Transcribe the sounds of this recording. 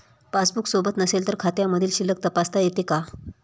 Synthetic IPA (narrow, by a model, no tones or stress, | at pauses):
pasbuksobət̪nəselt̪əɾkʰat̪jaməd̪ʱiːlɕilːək̚t̪əpast̪ajet̪eka